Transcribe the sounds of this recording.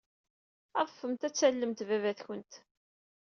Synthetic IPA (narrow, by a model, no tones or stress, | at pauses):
æðˤəfːəmt̪æt͡sːælːəmt̪vævæθçənt̪